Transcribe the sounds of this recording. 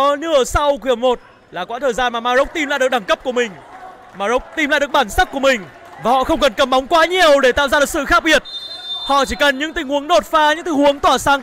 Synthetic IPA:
nɨ˧˩ə˨˩sa˧wk̬i˧˩əmo˨˩t̚ | laː˨˩kwaː˨˦˥t̪ʰəː˨˩jzaː˧nmaː˨˩maː˧zə˦˥wk͡p̚t̪i˧mlaː˧˨jɨ˨˩ək̚ɗa˧˩ŋkə˦˥p̚ku˧˩əmï˨˩ŋ̟ | maː˧zə˦˥wk͡p̚t̪i˧mla̰ː˧˨jɗək̚ɓaː˧˩nsa˦˥k͡p̚ku˧˩əmï˨˩ŋ̟ | vaː˨˩hɔ̰˧˨xə˧wŋ͡mkə˨˩nkə˨˩mːɓa˨˦wŋ͡mkwaː˨˦ɲi˨˩əwɗe˧˩t̪a̰ː˧˨wzaː˧ɨ˨˩k̚sɨ̰˧˨xaː˦˥k̚ɓi˨˩ət̚hɔ̰˧˨t͡ɕi˧˩kə˨˩nɲɨ̰˧˥ŋt̪ï˨˩ŋhu˨˦əŋɗo˨˩t̚faː˧ɲɨ̰˧˥ŋt̪i˧˨˩ŋhu˨˦əŋt̪waː˧˩saː˧ŋ

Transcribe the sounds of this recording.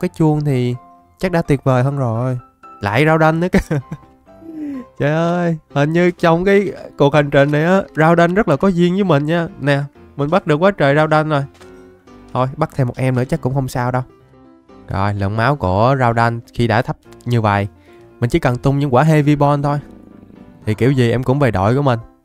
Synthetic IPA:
kaː˨˦jt͡ɕu˧əŋt̪ʰi˨˩ | t͡ɕa˦˥k̚ɗa̰ː˧˥t̪i˨˩ət̚vəː˨˩jɦəː˧nzo˨˩j | la̰ː˧˨jzaː˧wɗa˧jŋ̟nɨ˨˦˥ka˧ | t͡ɕə˨˩ʔəː˧jhə˨˩nɲɨ˧t͡ɕɔ˧wŋ͡mkaː˨˦jku˨˩ək̚ha˨˩jŋ̟t͡ɕï˨˩ŋ̟na˨˩jʔaː˨˦zaː˧wɗa˧jn̟zə˦˥t̚laː˨˩kɔ˨˦zi˧ənzɨ˨˧˦mï˨˩ŋ̟ɲaː˧nɛ˨˩ | mï˨˩ŋ̟ɓa˦˥t̚ɗɨ˨˩ək̚waː˨˦t͡ɕəː˨˩zaː˧wɗa˧jn̟zo˨˩j | t̪ʰo˧jɓa˦˥t̪̚ʰɛ˧mo˨˩t̚ʔɛ˧mnɨ̰˧˥t͡ɕə˦˥kʊ̰˧˥ŋ͡mxə˧wŋ͡msaː˧wɗə˧w | zɔ˨˩jlə̰˧˨˩ŋmaː˨˦wku˧˩əzaː˧wɗa˧ŋxi˧ɗa̰ː˧˥t̪ʰə˦˥p̚ɲɨ˧və̰˨˩˨j | mï˨˩ŋ̟t͡ɕḭ˧˦kə˨˩ŋt̪ʊ˧ŋ͡mɲɨ̰˧˥ŋkwaː˧˩ɦe˧vi˧ɓɔ˧nt̪ʰo˧j | t̪ʰi˨˩ki˧˩əwzi˨˩ʔɛ˧mkʊ̰˧˥ŋ͡mve˨˩jɗɔ̰˧˨jku˧˩əmï˨˩ŋ̟

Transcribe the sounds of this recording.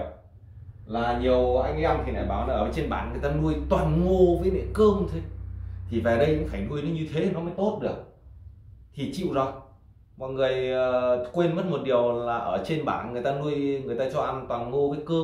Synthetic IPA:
laː˨˩ɲi˨˩əwʔa˧jŋʔɛ˧mt̪ʰi˨˩na̰˧˩jɓaː˧˩wna˨˧˦ʔəː˧˩˨t͡ɕe˧nɓa̰ː˧˩˨nŋɨ˨˩jt̪aː˧nu˧əjt̪waː˨˩nŋo˧vəː˨˦jɓɛ̰˧˥˨kə˧əmt̪ʰo˧t̪ʰi˨˩ve˨˩ɗə˧jʔa̰˧˥ŋfaː˧˩jnu˧əjɗə˨˦ɲɨ˧t̪ʰe˨˦i˨˩nɔ˨˦maː˨˧˥jt̪o˦˥t̚ɗɨ˨˩ək̚ | t̪ʰi˨˩t͡ɕḭ˧˨wzɔ˨˩j | mɔ̰˨ŋɨ˨˩əjə˨˩kwe˧nmə˦˥t̚mo˨˩t̚ɗi˨˩əwlaː˨˩ʔəː˧˩t͡ɕe˧nɓa̰ː˧˩˨nŋɨ˨˩əjt̪aː˧nu˧əjŋɨ˨əjt̪aː˧t͡ɕɔ˧ʔa˧nt̪waː˨˩nŋo˧vəː˨˦jkə˧

